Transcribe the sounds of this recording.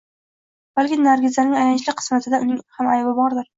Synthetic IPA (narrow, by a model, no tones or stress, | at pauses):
b̥alkʲɪnaɾɡʲɪzlanɪŋajant͡ʃlɪqʰɨ̥smat̪ʰɪd̪aʔʊnɪŋhamajbɪbɒɾd̪ɪɾ